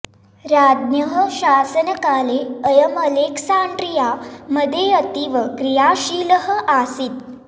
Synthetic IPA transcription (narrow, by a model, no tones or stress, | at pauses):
ɾad̪njəɦəɕasənəkaleəjəməleksaɳɖɾijaməd̪ʱjeət̪iʋəkɾijaɕiləɦəʔasiːt̪̚